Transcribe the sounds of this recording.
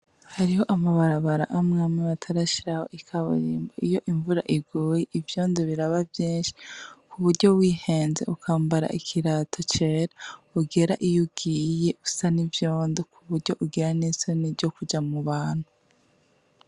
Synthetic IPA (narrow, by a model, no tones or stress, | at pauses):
haɾiho̞ʔamaβaɾaβaɾa̰ʔamŋaːmaβatʰaɾaʃiɾaho̞̰ʔikʰaβo̰ɾiːmboijo̞ʔiɱvuɾa̰ʔiɡuːjeʔivjo̞ːndoβiɾaβavjiːnʃi̥kuβuɾɟo̞wiːhe̞ːnze̞̰ukʰaːmbaɾa̰ʔikʰiɾatʰo̞t͡ʃeɾauɡe̞ɾaʔijuɡ̥iːje̞ʔu̥sanivjo̞ːndokʰuβuɾɟo̞ʔuɡiɾanizonivɟo̞kud͡ʒamuβaːn̥hu